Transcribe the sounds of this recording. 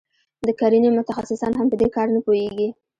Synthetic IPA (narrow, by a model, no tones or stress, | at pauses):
d̪əkaɾinimʊt̪axasɪsɑnɦampəd̪ekɑɾnəpojeɡi